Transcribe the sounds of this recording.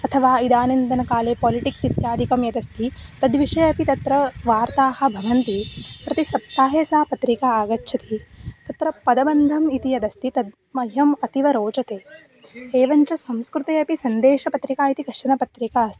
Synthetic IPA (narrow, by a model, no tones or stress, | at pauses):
ɐt̪ʰɐʋaːid̪aːnɐnd̪ɐnɐkaːleːpɔːliʈiksit̪jaːd̪ʱikɐmjɐd̪ɐst̪ʰit̪ɐd̪ʋiʂɐjɐpit̪ɐt̪ɾɐʋaːɾt̪aːhɐ̆bʱɐʋɐnt̪ipɾɐt̪isɐp̚t̪aːɦeːsaːpɐt̪ɾikaːaːɡɐtːʃʰɐt̪it̪ɐt̪ɾɐpɐd̪ɐbɐnd̪ʱɐmit̪ijɐd̪ɐst̪it̪ɐd̪̚ | mɐɦɐmɐt̪iʋɐɾoːt͡ʃɐt̪eː | eːʋɐɲt͡ʃɐsɐmskɾut̪eːɐpisɐnd̪eːʃɐpɐt̪ɾikaːit̪ikɐʂɐnɐpɐt̪ɾikaːst̪i̥